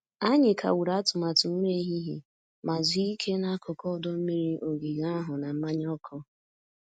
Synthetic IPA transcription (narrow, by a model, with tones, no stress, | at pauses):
a˦ɲɪ˨kʰa̰˨wu˨ɾa˦a˦tʊ˨ma˨tʊ˨m̩˦me˦ɦi˦ɦḭ˨ | ma˨zi˨˦i˦kʰe˦na˦kʊ˨kɔ˦˨˦dɔ˦m̩˦mi˦ɾi˦ʔo˨ɡi˨ɣa˦ɦʊ˨na˨m̩˦ma˦ɲ˦ɔ˦kʰɔ˦